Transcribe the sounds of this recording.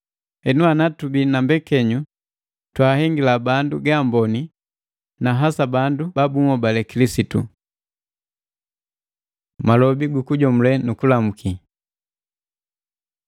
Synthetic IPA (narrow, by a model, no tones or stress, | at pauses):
ɛnuanatubinambɛkɛɲu | twaːhɛŋɡilabanduɡambɔni | naɦasabandubabumɔbalɛkilisitṵ | malɔbiɡukuɟɔmulɛnukulamukʰi